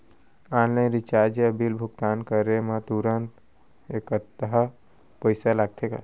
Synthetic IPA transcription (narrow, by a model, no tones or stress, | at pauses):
annẽɾit͡ʃaɾd͡ʒeəbilbʱuɡt̪ankəɾemat̪uɾənt̪ | ekət̪ːəɦə | pəɪsalaɡ̚t̪ʰeka̰